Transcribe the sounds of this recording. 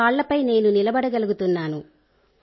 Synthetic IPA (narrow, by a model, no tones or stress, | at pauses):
aːɭːɐpɐjne̞ːnunilɐbɐɽɐɡɐluɡut̪unːaːnu